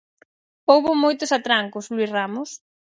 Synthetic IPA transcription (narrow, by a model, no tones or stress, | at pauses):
powβʊmojt̪ʊsat̪ɾaŋkoslwisramʊs